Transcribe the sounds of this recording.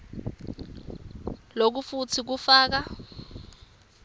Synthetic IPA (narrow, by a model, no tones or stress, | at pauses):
lok̬ufut͡sʰik̬ufaːk̬a